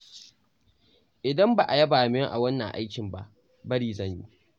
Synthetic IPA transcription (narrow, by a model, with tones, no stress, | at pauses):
ʔɪ˨dɐ˦mba˨ʔa˨jɐ˦baː˨mɪ˦ŋʔa̰˨wɐ˦nːɐ˨ŋʔa̰˦jkʲɪ˨mba˦ʔ | bɐ˦ɾiː˦zɐ˦˨ɲji˦